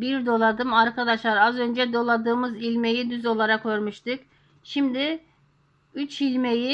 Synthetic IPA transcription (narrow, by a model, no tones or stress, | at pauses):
biɾd̪o̞lˠad̪ɯmaɾkʰad̪aʃlˠaɾazø̞nd͡ʒɛd̪o̞lˠad̪ɯːmɯzilʲme̞jid̪yzo̞lˠaɾakʰːo̞ɾmuʃt̪ɯk | ʃimd̪ɪ | yt͡ʃilʲme̞ji